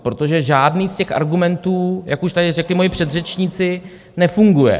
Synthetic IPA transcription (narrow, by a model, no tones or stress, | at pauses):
pɾo̞t̪o̞ʒɛʒaːdniːscɛxʔa̰ɾɡumɛnt̪uːjakuʃt̪adɪrɛklɪmojɪpr̝̥ɛd̪rɛt͡ʃɲit͡sɪ | nɛfuŋɡujɛ̰